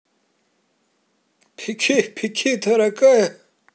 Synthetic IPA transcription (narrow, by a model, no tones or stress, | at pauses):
pʰikʰipʰikʰit̪ʰɐɾɐkaje